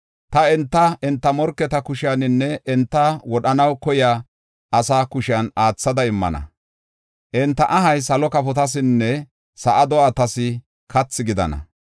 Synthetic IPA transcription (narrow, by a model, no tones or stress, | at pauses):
t̪ɐɛnt̪ːɐɛnt̪ːɐmɔɾkːɛt̪ɐkʊʃɪjanɪnːɛɛnt̪ːɐwɔɗɐnɐwkɔjaː | ʔɐsaːkʊʃɪjanaːt͡sːɐd̪ɐɪmːɐ̰nɐ̰ | ʔɛnt̪ːɐʔɐɦɐjs̬ɐlɔkɐpɔt̪̬ɐs̬ɪnːɛ | sɐʔɐd̪ɔaːt̪ɐsɪ | kʰɐt͡sːɪɡɪd̪ɐ̰nɐ̰